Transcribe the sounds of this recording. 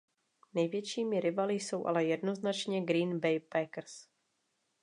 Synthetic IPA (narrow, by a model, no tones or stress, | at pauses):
nɛjvjɛt͡ʃiːmɪɾɪbalɪjso̞wʔa̰lɛjɛdnoznat͡ʃɲɛɡɾiːnbɛjpɛkɾ̩s